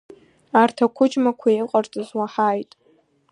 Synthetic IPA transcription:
artʰakʷʰʊd͡ʒmakʷʰajqʼart͡sʼɨzwaħaːjtʼ

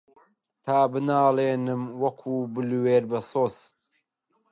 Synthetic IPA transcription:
t̪ʰaːbɨnaːleːnɨmwɐkʰuːbɨlweːɾbɐsoːz

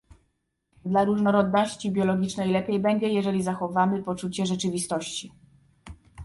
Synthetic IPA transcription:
d̪laɾuʐnɔɾɔd̪nɔɕt͡ɕibʲjɔlɔɡʲit͡ʂnɛjlɛpʲjɛjbɛɲd͡ʑɛjɛʐɛlʲizaxɔvamɘpɔt͡ʂut͡ɕɛʐɛt͡ʂɘvʲist̪ɔɕt͡ɕi

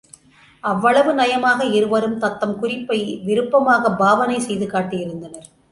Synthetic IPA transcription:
ɐʋːɐɭɐʋɯnɐjɐmaːɣɐɪɾɯʋɐɾɯmt̪ɐt̪ːɐmkʊrɪpːɐɪʋɪɾɯpːɐmaːɣɐbaːʋɐnɐɪsɛjðɯkaːʈːɪjɪɾɯnd̪ɐnɐɾ

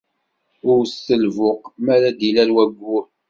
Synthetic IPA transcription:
ʊɾsəlvʊqmæɾæd̪ilæɾwæɡʷːʊɾ

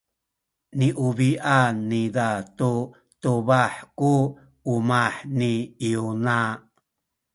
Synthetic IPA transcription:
niʔuβiʔanːidatu | tuβaħkuː | maħniiuna

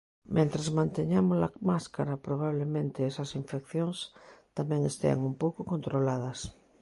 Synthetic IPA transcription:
mẽnt̪ɾazmãnt̪eɲamosla̰maskaɾɐpɾoβ̞aβ̞lemẽnt̪eesɐsiɱfekθjoŋst̪amɛ̃ŋest̪ḛa̰ŋumpowkokont̪ɾolaðɐs

